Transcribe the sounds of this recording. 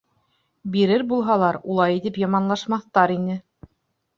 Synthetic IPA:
biɾɘɾbulˠɦɑlˠɑɾulˠɑjit̪ɘpjɑmɑnlˠɑʃmɑθt̪ɑɾinɘ

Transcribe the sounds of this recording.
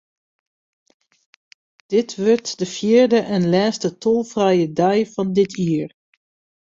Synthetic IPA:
d̥ɪtʋʏɹtdəfjiːəɹdəʔɛnlɛːstətolˠvrɛjədɛjvɑndɪtʰiːər

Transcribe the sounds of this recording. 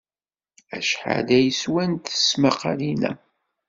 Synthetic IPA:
æ̰ʃħa̰ðæjəswænt̪ə̥smaqɑlinæ̰

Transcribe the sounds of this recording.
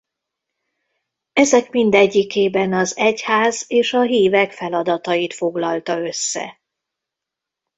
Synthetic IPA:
ɛzɛkmind̪ɛɟːikeːbɛnɒzɛchaːzeːʃɒɦiːvɛkfɛlɒd̪ɒt̪ɒjit̪fo̞ɡlɒlt̪ɒø̞sːɛ̰

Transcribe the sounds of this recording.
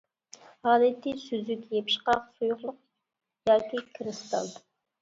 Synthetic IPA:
hɑːlɛt̪ːisyzykʲjepʰɪ̥ʃqɑqsujʊqlˠʊq̚ | jɑːkʲikʰɾɨst̪ɑ̰n

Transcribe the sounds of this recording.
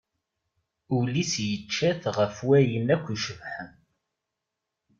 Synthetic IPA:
ulisjət͡ʃːæθʁəfwæjənækʷːiʃəvħən

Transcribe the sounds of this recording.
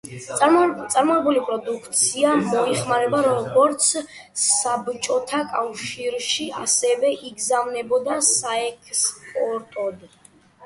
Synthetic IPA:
t̪sʼaɾmɔɛbulipʼɾɔd̪ukʰt̪sʰiamɔiχmaɾɛbaɾɔɡɔɾt̪sʰ | sabt͡ʃʼɔt̪ʰakʼafʃiɾʃiʔa̰sɛvɛʔiɡzamnɛbɔd̪asaɛkʰspʼɔɾt̪ʼɔd̪

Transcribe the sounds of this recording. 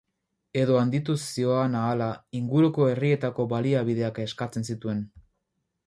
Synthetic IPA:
e̞ðo̞and̪it̪usio̞anaːlaiŋɡuɾuko̞e̞rie̞t̪ako̞βaliaβ̞iðe̞ake̞skat͡se̞nsit̪ue̞n

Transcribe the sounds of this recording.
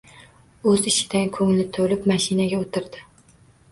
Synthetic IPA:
ɵzɪʃɪ̥d̪ankʰɵŋlɪt̪ʰolɪpmaʃɪnaɡʲaot̪ʰɪɾd̪ɪ

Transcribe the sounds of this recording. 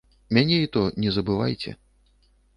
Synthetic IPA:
mʲanʲɛit̪ɔnʲɛzɐbɨva̰jt͡sʲɛ̰

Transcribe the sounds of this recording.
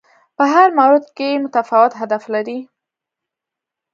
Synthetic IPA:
pəɦaɾmawɾɪd̪kemʊt̪afawɪt̪ɦad̪aflaɾi

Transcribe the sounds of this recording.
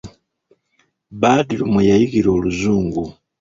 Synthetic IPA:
βaːdilumwejajiɡiɾo̞ːluzuːŋɡu

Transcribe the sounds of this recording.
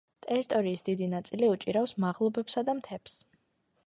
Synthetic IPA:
t̪ʼɛɾit̪ʼɔɾiːsd̪id̪inat̪sʼiliut͡ʃʼiɾafsmaʁlˠɔbɛpsad̪amt̪ʰɛps

